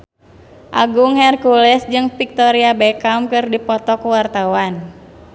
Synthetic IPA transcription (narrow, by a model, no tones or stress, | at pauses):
ʔaɡuŋhɛrkulɛsd͡ʒɨŋfik̚t̪ɔɾiabɛkamkɨrdipɔt̪ɔkuwart̪awan